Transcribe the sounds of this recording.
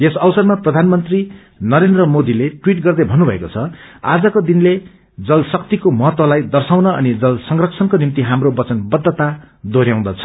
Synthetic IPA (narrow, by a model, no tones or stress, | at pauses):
esʌwsʌrmaprʌd̪ʱanmʌnt̪ri | nʌɾend̪rʌmod̪ileʈwiʈɡʌrd̪ʌbʱʌnːubʱʌekot͡sʰʌa̰d͡zʌkod̪inle | d͡zʌlsʌk̚t̪ikomʌɦʌt̪wʌlajd̪ʌrsaw̃nʌʌnid͡zʌlsʌŋrʌkt͡sʰʌnkonimt̪iɦamrobʌt͡sʌnbʌd̪ːʌt̪a | d̪oɾjãw̃d̪ʌt͡sʰʌ̥